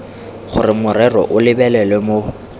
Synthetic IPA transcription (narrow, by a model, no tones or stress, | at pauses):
χʊrɪmʊɾɛrɔ̰ʔʊlɪbɛlɛlɛmo